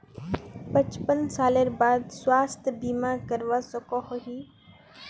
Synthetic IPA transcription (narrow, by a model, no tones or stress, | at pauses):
pɐ̃t͡ʃpənsaːləɾbaːd̪swaːst̪ʰbiːmaːɾkɐɾʋasokoɦoɦiː